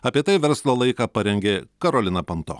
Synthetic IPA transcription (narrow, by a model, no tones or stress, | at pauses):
ɐpʲiɛt̪ɐɪʋʲɛɾslˠoːlˠɐɪkɑːpɐɾʲɛŋʲɡʲeːkɐɾoːlʲɪnɐpɐnt̪o̰ː